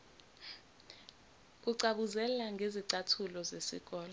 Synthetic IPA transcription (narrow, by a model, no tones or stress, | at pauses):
k̬ʼuǀaɓuzɛlaŋɡʱeziǀatʰulɔzesḭk̬ʼɔːlɔ